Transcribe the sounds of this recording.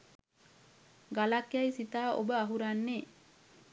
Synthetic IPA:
ɡalakjajsit̪aːʔo̰bəaɦuɾanːe

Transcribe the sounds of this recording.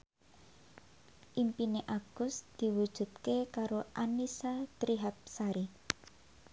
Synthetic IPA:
ʔimpineʔaɡ̥ʊsd̪̥i̤wud̥ʒ̥ṳd̪̚kekaɾoʔanisat̪ɾiɦap̚saɾi

